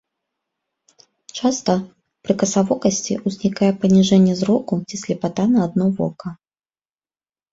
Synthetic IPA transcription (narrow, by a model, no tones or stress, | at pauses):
t͡ʂast̪ɐ | pɾɨkɐsavɔkɐsʲt͡sʲḭʔuzʲnʲikajɛpɐnʲiʐɛnʲːɛzɾɔkut͡sʲisʲlʲɛpat̪anɐːd̪̚nɔvɔ̰kɐ